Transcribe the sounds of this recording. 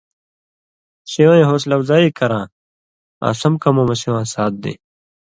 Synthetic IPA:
ɕijõːẽɦoːs̬lɐwzaːikɐɾãː | a̰sɐmkɐmomɐsiw̃ãːsaːt̪̚d̪ḛ

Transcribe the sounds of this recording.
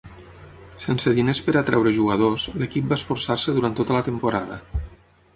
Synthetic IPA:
sensəðinespəɾət̪ɾɛwɾəʒuɣəð̞osləkip̚baesfuɾsaɾsəðuɾant̪ot̪ələt̪əmpuɾaðə̰

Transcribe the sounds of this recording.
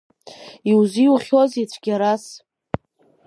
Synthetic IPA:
iwziuχʲozit͡ɕʷʰɡ̥ʲaɾas

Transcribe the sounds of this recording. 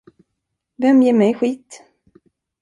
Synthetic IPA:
vɛmjeːɾmɛjɧiːt̪

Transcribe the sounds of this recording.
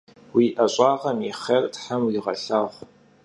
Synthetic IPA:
wiːʔɐɕʼɑːʁɐmiχɐrtħamwiʁɐ̰ɬaːʁʷ

